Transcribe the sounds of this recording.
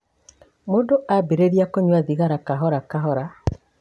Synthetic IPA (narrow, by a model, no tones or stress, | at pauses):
moːndoʔabeɾeɾiakoɲwaðiɣaɾakaɦɔɾakaɦɔɾa